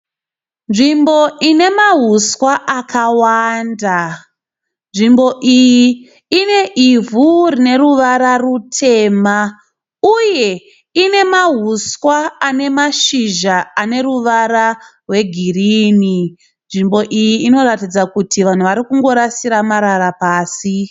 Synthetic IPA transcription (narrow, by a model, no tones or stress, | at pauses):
nʐimbo̞ine̞maɦuswaʔakawanda | nʐimbo̞ʔiji | ine̞ʔivurine̞ɾuʋaɾarutʰe̞ma | uje̞ | ine̞maɦuswaːne̞maʃiʒaane̞ɾuʋaɾarwe̞ɡʱiriːni | nʐimbo̞ʔijiino̞ɾatid͡zakutiʋan̤uʋaɾikuŋɡo̞ɾasiɾamaɾaɾapaːsi